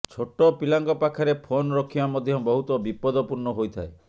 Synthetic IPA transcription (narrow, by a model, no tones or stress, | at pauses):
t͡ʃʰoʈɔpilaŋɡɔpakʰaɾepʰonɾɔkʰibamɔd̪ʱjɔbɔɦut̪ɔbipɔd̪ɔpuɾnɔɦojt̪ʰae